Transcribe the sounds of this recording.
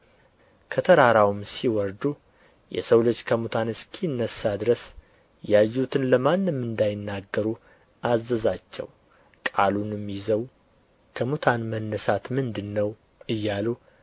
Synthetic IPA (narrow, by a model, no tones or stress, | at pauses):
kʰət̪ʰəɾaɾawmsiwɔɾd̪u | jɛ̰səwlət͡ʃːkʰəmut̪ʰanɨskʰiɨnːəsːad̪ɨɾəs | jajːut̪ʰɨnləmanːɨmːɨnd̪ajɪnːaɡːəɾu | ʔazːəzat͡ʃːɛ̰w | kʼalunɨmːizəw | kʰəmut̪ʰanmənːəsat̪mɨnd̪ɨnːəw | ɨjːalu